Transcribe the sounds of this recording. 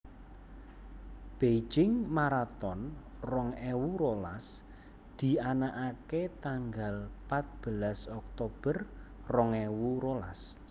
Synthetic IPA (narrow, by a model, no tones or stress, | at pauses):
b̥e̥d͡ʒɪŋmaɾat̪ɔn | rɔŋɛwuɾolas | d̪̥i̤anaʔaket̪aŋɡalpat̪̚b̥əlasɔk̚t̪ob̥ər | rɔŋɛwuɾola̰s